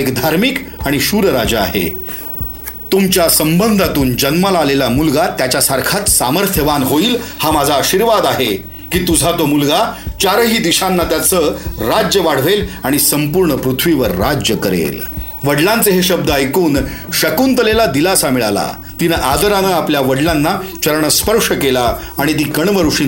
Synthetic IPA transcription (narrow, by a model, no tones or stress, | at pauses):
ekd̪ʱaɾmikaɽ̃iɕuːɾəɾad͡ʑaa̰ɦḛ | t̪umt͡ɕjasəmbənd̪ʱat̪uːnd͡ʑənməlalelamulɡat̪jat͡ɕjasaɾkʰat̪saməɾt̪ʰjəʋanɦoiːlhamad͡zʱaːɕiɾʋad̪aɦe | kiːt̪ud͡zʱat̪omulɡat͡ɕaɾəɦiːd̪iɕanːat̪jat͡səɾad͡ʑjəʋaɽ̤ʋelaɽ̃isəmpuɾɳəpɾut̪ʰʋiʋəɾːad͡ʑjəkəɾḛl | ʋəɽlãnt͡seɦeɕəb̚d̪əajkuːnɕəkuːnt̪əlelad̪ilasamiɭala̰ | t̪inəʔad̪əɾanəapljaʋəɽlanːat͡ɕəɾɳəspəɾʂəkelaː | ɽ̃it̪̬iːkəɳʋəɾʂiː